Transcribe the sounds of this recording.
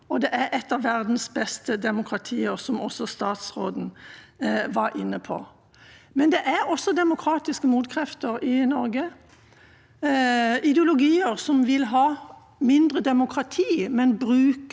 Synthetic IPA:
ɔd̪ɛʔæɾʔɛt̪ːɑʋːæʁd̪n̩sbɛst̪əd̪ɛmʊkʰʁɑt̪ʰiːəɾsɔmɔsɔst̪ɑːt̪sʁoːd̪n̩ | ʋɑɾʔɪnːəpʰɔ̰ | mɛnd̪ɛʔæɾɔsːɔd̪ɛmʊkʰɾɑːt̪ɪskəmuːd̪kʰɾɛft̪əɾɪnɔɾɡə | ɪd̪əʊlʊɡiːəɾsɔmʋɪlɦɑː | mɪnd̪ʁəd̪ɛmʊkʰʁɑt̪ʰiːmɛnbɾʉːk

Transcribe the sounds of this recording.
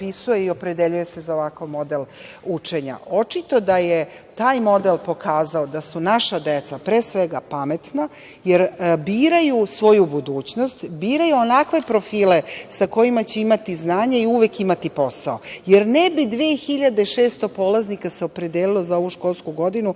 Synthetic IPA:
pisujeiopɾe̞d̪eʎuje̞se̞zaoʋakaʋmo̞d̪el | ut͡ʂe̞ɲa̰o̞t͡ʃit̪o̞d̪aje | t̪aːjmo̞d̪elpo̞kʰaːzaod̪asunaʃad̪et̪sapɾesʋeɡapamet̪na | jeɾbiːɾajusʋo̞jubud̪uːt͡ɕnost̪biːɾajuonakʋe̞pɾo̞fiːle̞sako̞jimat͡ɕeimat̪iznaːɲaiuʋekimat̪ipo̞sao̞jeɾnɛbid̪ʋeːxiʎad̪eʃeːst̪o̞po̞ːlˠaznikaseopɾe̞d̪eːlilozao̞ʋuʃko̞lˠskuɡo̞d̪inu

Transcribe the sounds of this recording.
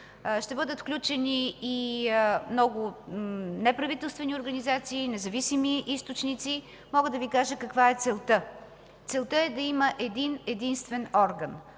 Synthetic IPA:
ʃt̪ɛbɤəd̪ət̪fklʲut͡ʃɛniː | mnɔɡʊ | nɛpɾɐvit̪ɛlˠst̪vɛniʊɾɡɐnizat̪siːnɛzɐvisimiʔist̪ʊt͡ʃnit̪si | mɔɡəd̪ɐvikaʒəkɐkvaɛt̪sɛlˠt̪ə | t̪sɛlˠt̪əɛd̪ɐiməʔɛd̪inɛd̪inst̪vɛnɔɾɡən

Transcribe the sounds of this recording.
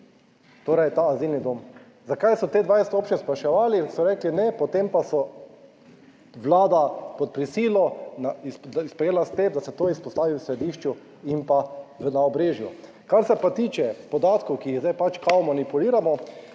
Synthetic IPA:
t̪oːɾajt̪aːzilnid̪oːm | zakajsɔt̪eːd̪ʋajsɛ̥t̪oːpt͡ʃnspɾaʃɛʋaːlisɔɾɛːklinɛpɔt̪empasɔ | ʋlaːd̪apɔt̪̚pɾisiːlɔnaisd̪ispɾɛjeːlast̪epd̪asɛt̪oːispɔst̪aːʋiwsɾɛd̪iːʃt͡ʃu | impaʋənaɔbɾeːʒju | kaɾsɛpat̪iːt͡ʃɛpɔd̪aːt̪kɔwkiːɣzd̪ajpat͡ʃkaɔmɔnipuliːɾamɔ

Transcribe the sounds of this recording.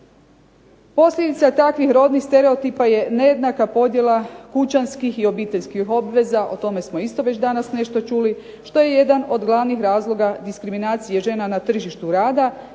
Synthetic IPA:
po̞slʎʲed̪it̪sat̪akʋixɾo̞ːd̪nixst̪e̞ɾeot̪ipaje̞ne̞je̞d̪nakapo̞d̪je̞lˠakut͡ɕanskixio̞biːt̪e̞ʎʲskixo̞bʋe̞zaʔo̰t̪o̞me̞smo̞ist̪o̞ʋe̞t͡ɕd̪anasne̞ʃt̪o̞t͡ʃuːli | ʃt̪o̞je̞je̞d̪ano̞d̪ɡlˠaʋnixɾaːzlˠo̞ɡad̪iskɾiminaːt̪sije̞ʒe̞ːnanat̪r̩ʒiʃt̪uɾaːd̪a

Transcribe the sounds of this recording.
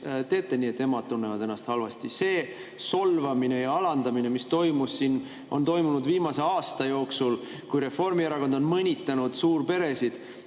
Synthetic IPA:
t̪e̞ːt̪ˑːe̞niːet̪ːe̞mɑd̪̥̚t̪unːevɑd̪̥e̞nːɑst̪hɑlvɑst̪ise̞ː | so̞lvɑmine̞jɑɑlɑnd̪̥ɑmine̞mist̪o̞jmussin | ʔo̞̰nt̪o̞jmunud̪viːmɑse̞ɑːst̪ɑjo̞ːksul | kujɾe̞fo̞rmieɾɑko̞nd̪o̞nmɤnʲit̪ːˑɑnud̪̥suːrpe̞ɾe̞sid̪̥

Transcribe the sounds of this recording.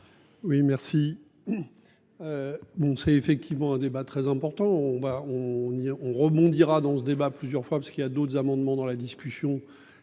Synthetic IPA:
wimɛʁsi | øbɔ̃sɛefɛk̚t̪ʰivmɑ̃ɛ̃d̪ebat̪χɛzɛ̃pɔʁt̪ɑ̃ɔ̃vaɔ̃niɔ̃ʁəbɔ̃d̪iʁad̪ɑ̃səd̪ebaplyzjœʁfwapḁskiljad̪ot̪χzamɑ̃d̪mɑ̃d̪ɑ̃lad̪iskʲysjɔ̃

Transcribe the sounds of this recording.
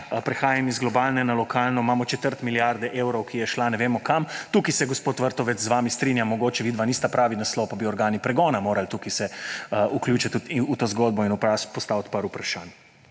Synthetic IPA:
pɾɛxaːjamizɡlɔbaːlnɛnalɔkʰaːlnɔmaːmɔt͡ʃɛt̪əɾt̪miljaɾd̪ɛʔeːwɾɔwkijɛʃlanɛʋeːmɔkamt̪uːkisɛɡɔspoːt̪ʋəɾt̪ɔʋɛt͡s̪zʋaːmist̪ɾinjamɔɡoːt͡ʃɛʋiːd̪ʋaniːst̪apɾaːʋinaslɔwpabiɔɾɡaːnipɾɛɡɔːnamoːɾalt̪ukisɛuklʲjuːt͡ʃat̪uut̪oːzɡoːd̪̚bɔinupaspɔst̪aːwt̪paɾupɾaʃaːn

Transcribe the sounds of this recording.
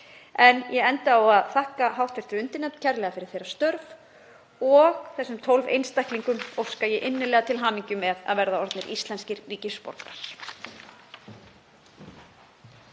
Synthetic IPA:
ɛnjɛɛnt̪aawaðθahkaɦawt̪fɪr̥t̪ʏɾʏnt̪ɪnɛt̪cʰɛɾlɛːɣafɪɾɪɾ̥θejɾast̪œɾv | ɔɣθɛsːʏmt̪ʰowlvḛjnst̪ajhk̪liŋkʏmɔwskajɛʔɪnːɪlɛːɣat̪ʰɪlɦaːniɲcʏmɛða̰ðvɛɾðaɔɾt̪nɪɾʔist̪lɛnscɪɾːiːcɪspɔ̰ɾkna̰ɾ̥

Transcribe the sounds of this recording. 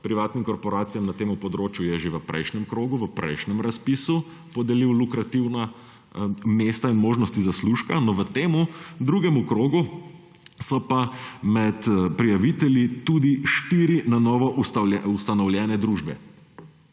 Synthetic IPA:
pɾiʋaːt̪nimkɔɾpɔɾaːt̪sijamnat̪eːmupɔd̪ɾoːt͡ʃjujɛʒeʋəpɾɛ̰jʃnɛmkɾoːɡuʋəpɾɛ̰jʃnɛmɾaspisu | pɔd̪ɛliwlukɾat̪iwna | meːst̪ainmoːʒnɔst̪izasluʃkanɔʋət̪eːmud̪ɾuːɡɛmukɾoːɡu | sɔpamɛt̪pɾijaʋit̪ɛljit̪ud̪iʃt̪iɾinanɔːʋɔʔust̪alɛust̪anɔwljɛːnɛd̪ɾuʒbɛ̰

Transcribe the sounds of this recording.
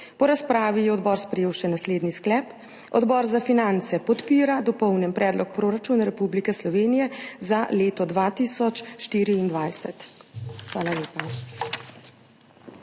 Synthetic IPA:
pɔɾaspɾaːʋijɛɔd̪bɔːɾspɾɛjeːwʃɛnasleːd̪nisklɛːp | ɔ̰d̪bɔːɾzafinant̪sɛpɔt̪piːɾad̪ɔpɔwnjɛmpɾɛːd̪lɔk̚pɾoːɾat͡ʃuːnaɾɛpublikɛslɔʋeːnijɛzaleːt̪ɔd̪ʋaːt̪iːsɔt͡ʃʃt̪iːɾiːnd̪ʋajsɛt̪xʋaːlaleːpa

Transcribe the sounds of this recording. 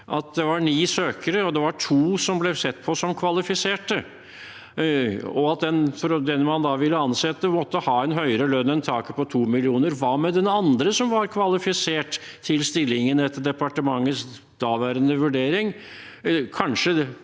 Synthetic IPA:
ʔɑt̪̚d̪ɛʋɑɾɳiːsøːkəɾəɔd̪ɛʋɑʈʰuːsɔmblɛsɛt̪ːpʰɔsɔmkʰʋɑlɪfɪseːʈə | ɔɑt̪̚d̪ɛnfɔɾɔd̪ɛnmɑnd̪ɑʋɪlːəɑnsɛt̪ːəmɔt̪ːəhɑːɛnɦœʏɾəlœnːɛnt̪ʰɑːkəpʰɔt̪ʰuːmɪlɪuːnəɾʋɑːmɛd̪ɛnɑnd̪ɾəsɔmʋɑɾkʰʋɑlɪfɪseːʈ | t̪ʰːɪlst̪ɪlːɪŋənɛt̪ːəɖɛpɑʈəmɑŋːəs | d̪̥ɑːʋæːɾənəʋʉɖeːɾɪŋ | kʰɑnʂə

